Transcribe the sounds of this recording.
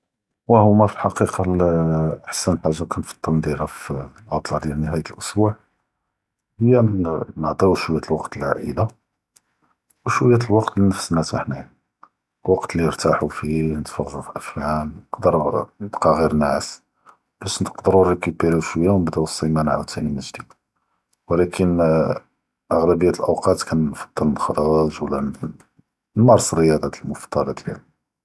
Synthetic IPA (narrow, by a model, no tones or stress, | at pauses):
wæhʊmæfilħɑqiqɑlʔəħsænħaʒːakænfɑ̥t̪ˤːɑlnd̪iɾæflʔɑt̪ˤlɑd̪jælnəɦæjət̪əlʔʊsbuʕ | həjːænəʕt̪ˤiwʃwəjæt̪əlwɑqt̪əlʕa̰ʔə̰d̪a | wʃwəjːæt̪lwɑqt̪linəfsnæt̪aħnæn | lwɑqt̪liəɾt̪aħufinət̪fɑɣːufʔæfjamnəqd̪əɾnəbqɑɣiɾnaʕəs | b̥æʃnəqd̪əɾurəkubəɾuʃwəjːawnəbd̪æwsˤːimænʕa̰wt̪ʰːæniməʒd̪id̪ | wlækʰən | ʔəɣlæbəjːæt̪əlʔəwqɑt̪kænfɑd̪̥ˤːələxɑɾˤɑʒwlːæn | nːɑɾˤsərːəjɑd̪ˤɑt̪lmʊft̪ˤːɑlɑt̪læn